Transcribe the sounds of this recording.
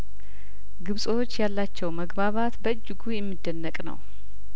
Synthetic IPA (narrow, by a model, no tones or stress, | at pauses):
ɡɨβsʼo̞t͡ʃːjalːat͡ʃːɛwməɡbaβat̪bəɨd͡ʒːɨɡujɛmːɨd̪ːənːəkʼnə̰w